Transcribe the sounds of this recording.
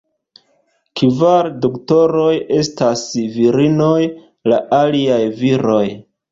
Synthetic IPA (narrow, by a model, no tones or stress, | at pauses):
kivaɾdokto̞ɾo̞je̞stasviɾino̞j | laʔaliajviɾo̞j